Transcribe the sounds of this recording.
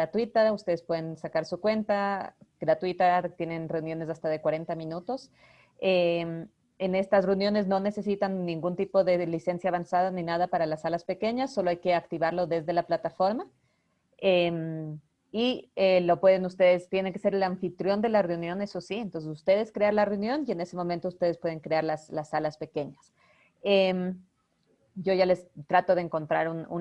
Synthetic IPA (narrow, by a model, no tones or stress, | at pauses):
at̪wit̪aust̪e̞ð̞e̞spwe̞ð̞e̞nsakaɾsukwe̞nt̪aɡ̥ɾat̪wit̪at̪je̞ne̞nre̞unjo̞ne̞s̬ast̪aðe̞kwaɾe̞nt̪amĩnut̪o̞s | em | ene̞st̪asre̞unjo̞ne̞zno̞ne̞se̞sit̪anːĩŋɡunt̪ipo̞ðe̞lise̞nsjaːβansaðanĩnaðapaɾalasalaspe̞ke̞ɲasːo̞lo̞ajke̞akt̪iβaɾlo̞ðe̞zðe̞laplat̪afo̞ɾma | em | ielo̞pwe̞ð̞e̞nust̪e̞ðe̞st̪je̞ne̞ŋke̞se̞ɾe̞laɱfit̪ɾjo̞nd̪e̞lare̞unjo̞ne̞so̞sient̪o̞nsesust̪e̞ð̞e̞skɾeanlare̞unjo̞nie̞ne̞se̞momẽnt̪oust̪e̞ð̞espwe̞ð̞e̞ŋkɾeaɾlaslasːalaspe̞ke̞ɲas | em | ɟ͡ʝo̞ʝale̞st̪ɾat̪o̞ð̞eŋko̞nt̪ɾaɾunṵ